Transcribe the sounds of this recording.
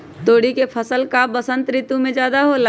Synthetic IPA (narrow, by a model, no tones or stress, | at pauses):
t̪oːɽikepʰəsəlkabəsə̃nt̪ɾɪt̪ũmẽd͡ʒjaːd̪aɦola